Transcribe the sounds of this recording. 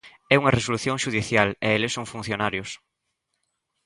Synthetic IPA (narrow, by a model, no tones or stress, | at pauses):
ɛuŋɐresoluθjõŋʃuðiθjaleelesoŋfun̟θjonaɾjʊs